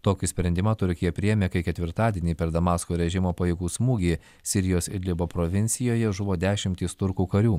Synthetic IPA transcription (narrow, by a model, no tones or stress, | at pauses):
t̪oːkʲɪsʲpʲɾʲɛnʲd̪ʲɪmɐt̪ʊɾʲkʲɪjɛpʲɾʲɪjɛmʲeːkɐɪkʲɛt̪ʲʋʲɪɾt̪ɑːd̪ʲiɛnʲiːpʲɛɾd̪ɐmɑːskoːɾʲɛʒʲɪmoːpɐjɪɡuːsmuːɡʲeː | sʲɪɾʲɪjoːsɪɾʲlʲɪboːpɾoʋʲɪnʲsʲɪjoːjɛʒʊʋoːd̪ʲæːʃʲɪmʲt̪ʲiːst̪ʊɾkuːkɐɾʲuː